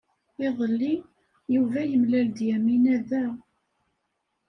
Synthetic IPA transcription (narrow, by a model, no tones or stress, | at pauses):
ɪðˤəlːi | juvæjəmlæld̪jæminæðæ